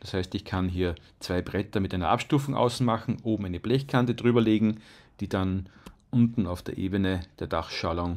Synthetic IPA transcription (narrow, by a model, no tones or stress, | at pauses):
d̥ashæɪstɪçkʰanɦiːɐ | t͡sv̥aɪbʁɛtɐmɪtʔæɪnɐ̰ʔa̰pʃtuːfʊŋʔa̰ʊsn̩maxn̩ʔoːbm̩æɪnəb̥lɛçkʰant̬ədʁyːbɐleːɡŋ̩ | d̥iːd̥anʔʊntn̩aʊfd̥eːɐʔeːbənəd̥eːɐd̥aχʃalɔŋ